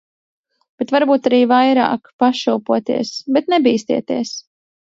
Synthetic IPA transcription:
b̥et̪vaɾbuːt̪aɾiːvajɾa̰ːkpaʃuwpuɔt̪ḭɛsbɛt̪̚nɛbiːst̪ḭɛt̪iɛs

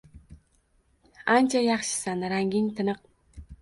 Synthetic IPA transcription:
ant͡ʃʰajɑχʃɪ̥sanɾaŋɡʲɪŋt̪ʰɪnɨq̚

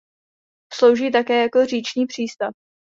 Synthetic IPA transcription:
slo̞wʒiːt̪akɛːjako̞riːt͡ʃɲiːpr̝̥iːst̪af

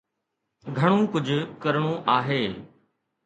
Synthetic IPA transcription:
ɡʱəɽ̃ũːkʊd͡ʑʱʊkəɾɽ̃õːʔaːɦeː

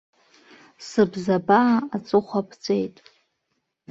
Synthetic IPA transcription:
sɨbzabaat͡sʷʼɨχʷapʰt͡sʷʼejtʼ

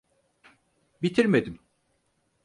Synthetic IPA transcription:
bit̪ʰiɾmed̪im

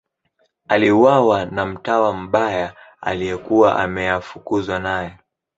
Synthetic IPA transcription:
aliuwawanam̩tawam̩ɓaja | a̰lijɛkuwaʔa̰mɛjafukuzwanajɔ

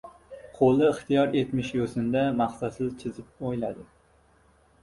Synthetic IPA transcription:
qʰolˠɨɪχt̪ijɑɾet̪mɪʃjosɨnd̪ɛmɑχsɑsɨzt͡ʃʰɪzɪp̚ojlæ̰d̪ɪ

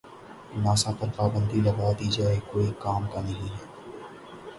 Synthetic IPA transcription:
naːsapɐɾpaːbə̃nd̪ilɐɡaːd̪id͡ʒaːekoːikaːmkanɐɦĩɦɛː

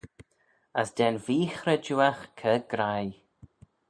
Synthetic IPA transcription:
əsd̪ɛnviːxɾəd͡ʒuːaxkʰəɡ̥ɾaj

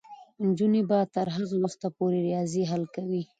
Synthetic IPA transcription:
nd͡ʒunebat̪aɾɦaɣawuxt̪apoɾeɾɪjɑziɦalkawi

